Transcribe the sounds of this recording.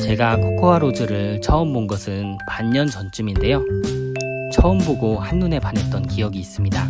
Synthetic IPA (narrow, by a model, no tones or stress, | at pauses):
t͡ɕe̞ɡakʰokʰoaɾod͡ʑɯɾɯɭt͡ɕʌɯmbonɡʌsʰɯnpaɲːʌnt͡ɕʌnt͡ɕ͈uminde̞jo | t͡ɕʌɯmboɡohanːune̞pane̞t͈̚ʌnkijʌɡiːs͈ɯmɲida